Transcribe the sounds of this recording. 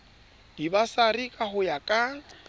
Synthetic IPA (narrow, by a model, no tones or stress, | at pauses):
dibasarikʼahʊjakʼa